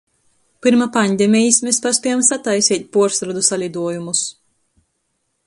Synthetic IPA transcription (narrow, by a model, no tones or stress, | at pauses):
pɨɾmapanʲd̪ʲɛmʲijismeːspaspʲiamsat̪ajsiːt̪̚ʲpuɔɾsɾad̪usalʲid̪uɔjumus